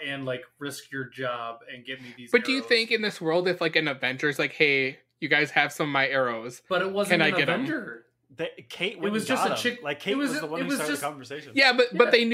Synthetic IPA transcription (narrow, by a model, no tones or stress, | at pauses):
ɨ̃nlaɪkɹɪskʰjə˞d͡ʒɑbɨ̃nɡɛt̚miðizbʌt̚d̥ɨjɨθɪ̃ŋkɨ̃nðɪswɜ˞lˠdɨθlaɪkɨ̃nɨdvɛ̃nt͡ʃə˞ɨzlaɪkheɪ | jɨɡaɪz̥ɨv̥sʌ̃mʌvmaɪɛɹoʊz̥b̥ʌɾɨt̚wʌzɨ̃naɪɡɛɾ̃mə˞ | ðkʰeɪtwɪwʌzd͡ʒʌsɨt͡ʃʰɪkʰet̚wʌzʌ̃ɪt̚wʌzd͡ʒʌkʰɑ̃ɱvə˞seɪʃjæbʌt̚b̥ʌt̪̚ðeɪn